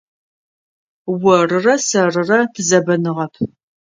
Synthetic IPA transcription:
wɐrɨrɐsɐrɨrɐtʰɨzɐbɐnɨʁɐpʰ

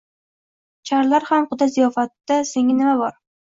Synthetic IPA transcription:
t͡ʃʰaɾlaɾhamqʊd̪azijɒfat̪ːaseŋɪnɪmabɒɾ

